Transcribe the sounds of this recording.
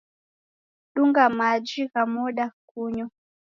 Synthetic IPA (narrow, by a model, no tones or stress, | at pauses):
ɗuŋɡamad͡ʒiɣamɔɗak̚uɲɔ